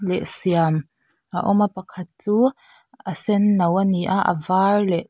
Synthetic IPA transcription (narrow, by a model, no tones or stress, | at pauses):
lɛʔsiam | ʔaʔɔmapɐkʰɐt̪̚t͡suː | asɛnːɐwaniʔaʔɐ̰varlɛʔ